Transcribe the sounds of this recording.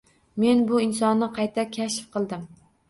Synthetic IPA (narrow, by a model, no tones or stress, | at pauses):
me̞nbʊɪnsɒnːɪqʰɑjt̪ʰakʲʰaʃfqʰɨlˠd̪ɪm